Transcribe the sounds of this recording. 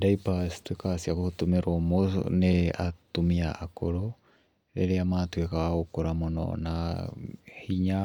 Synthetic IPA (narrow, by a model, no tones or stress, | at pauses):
daipastwekasiakotumeɾomo̰nea̰tumiaʔːkoɾo | ɾḛɾeamatwekaokoɾamonɔ̰na | hiɲa